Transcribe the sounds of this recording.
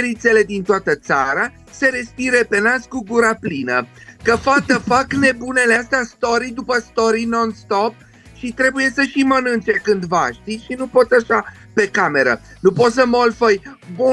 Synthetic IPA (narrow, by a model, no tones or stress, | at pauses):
ɾit̪se̞le̞d̪int̪oat̪ət̪saɾa | se̞ɾe̞spiɾe̞pe̞naskuɡuɾaplinəkəfat̪əfakne̞bune̞least̪east̪o̞ɾid̪upəst̪o̞ɾino̞nst̪o̞p̚ | ʃit̪ɾe̞buje̞səʃimənɨnt͡ʃe̞kɨnd̪vaʃt̪iʃinupo̞t̪aʃa | pe̞kame̞ɾə̰nupo̞t̪s̬əmolfəjbu